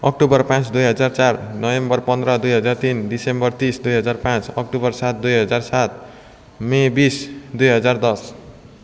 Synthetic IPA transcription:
ʌk̚ʈubʌrpãt͡sd̪ujɦʌd͡zart͡sarnʌbembʌrpʌnd̪ɾʌd̪ujɦʌd͡zart̪indisembʌrt̪isd̪ujɦʌd͡zarpãt͡sʌk̚ʈubʌrsat̪̚d̪ujɦʌd͡zarsat̪̚ | mebisd̪ujɦʌd͡zard̪ʌs

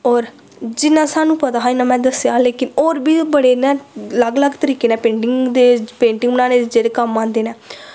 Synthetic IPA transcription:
ɔːɾ | d͡ʒɪnãːsaːnũːpət̪aːɦaːinãːmɛ̃ːd̪əsjaːleːkɪnoːɾbiːbəɽeːnɛːləɡləɡt̪əɾiːkeːnɛ̃ːpẽːɳʈɪŋɡd̪eːpẽːɳʈɪŋɡnãːneːd͡ʒeːɽeːkəmːãːnd̪eːnɛː

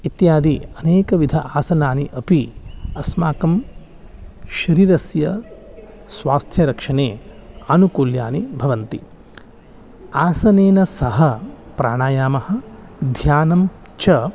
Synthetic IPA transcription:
it̪jaːd̪iɐneːkɐʋid̪ʱɐʔaːsɐnaːniʔɐpiɐsmaːkɐm | ʃɐɾiːɾɐsjɐ | sʋaːst̪ʰjɐɾɐkʂɐɳeːaːnukuːlja̰ːnibʱɐʋɐnt̪i | aːsɐneːnɐsɐɦɐ | pɾa̰ːɳaːjaːmɐhɐ̆d̪ʱjaːnɐm | t͡ʃɐ

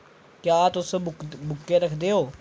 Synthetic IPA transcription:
kjaːt̪ʊsbʊkːeːɾəkʰd̪eːɦoː

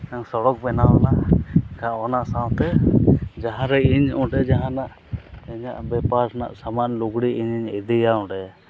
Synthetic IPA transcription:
aŋsɔɽɔk̚bɛnaɔlakaɔnaʔsaw̃t̪ɛd͡ʒaɦãɾɛiɲɔ̃ɖɛd͡ʒaɦãnaʔ | ɛɲa̰ʔbɛpaɾna̰ʔsamanluɡɽiiɲiɲid̪ijaɔ̃ɖɛ

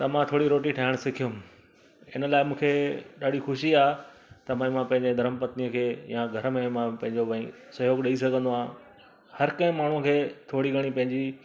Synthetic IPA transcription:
t̪ɐmãt̪ʰoːɽiɾoːʈiʈʰaːɪɽ̃sɪkʰijʊm | ɪ̰nə̆laːɪmũːkʰeɗaːɖixʊʃiaːet̪ɐmãːĩmãpɐ̃ɦɪ̃ɲ̆d͡ʑed̪ʱɐɾəmpɐt̪nijəkʰeːjãɡʱɐɾəmẽmãpɐ̃ɦɪ̃ɲd͡ʑoʋɐĩ | sɐɦjoːɡɗɐis̬ɐɡʱə̃nd̪oãː | hɐɾkɐ̃ɦɪ̃maːɳ̤ũkʰeːt̪ʰoːɽiɡʱɐɽ̃ipɐ̃ɦɪ̃ɲd͡ʑi

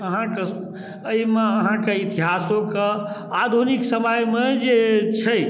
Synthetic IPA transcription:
əɦãke | əimeəɦãkeit̪iɦasokead̪ʱuniksəməjmed͡ʒet͡ʃʰəj

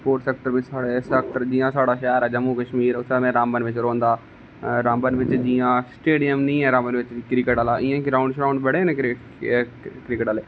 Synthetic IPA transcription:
poːɾʈsɛːk̚ʈəɾɪt͡ʃsaːɽeːsək̚ʈəɾd͡ʒiːãːsaːɽaːʃɛːɾɛːd͡ʒəmːuːkəʃmiːɾʊt̪ʰːmẽːɾãːmbənʋɪt͡ʃɾõːnd̪aː | ɾaːmbənʋɪt͡ʃd͡ʒiːãːsʈeːɖijəmnĩːɛ̃ːɾãːmbənʋɪt͡ʃkɾɪkeːʈaːlaːʔɪjãːkiɾaːʊ̃ɳɖʃɾaːʊɳɖbəɽeːnẽkː | kɾikəʈaːleː

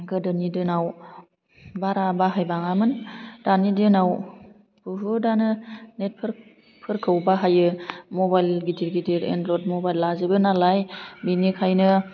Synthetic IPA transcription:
ɡɯdɯnidɯnaw | baɾabaɦajbaŋamɯnd̥anidɯnaw | b̥ɯɦudanɯnet̚pʰɯɾk | pʰɯɾkʰːɯwbaɦajɯmɔbajlɡidiɾɡidiɾḛndɾɔt̚mɔbajlːazɯbɯnalajbinikʰajnɯ

